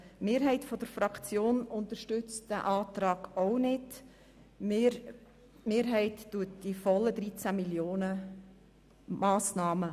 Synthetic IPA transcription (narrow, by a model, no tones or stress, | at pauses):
meːɾɦɛɪtfɔd̥əɾfɾɑkt͡sjoːnʊnt̪əɾʃtʏt͡std̥əʔɑːt̪ɾɑːɡ̥ɔʊnɪd̥ | meːɾɦɛɪtːuətd̥ifɔlːədɾit͡sæmiljoːnə | mɑːsnɑːmə